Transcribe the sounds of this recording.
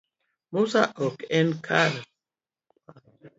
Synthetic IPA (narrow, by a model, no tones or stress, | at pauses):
musaʔɔkɛnkʰaɾ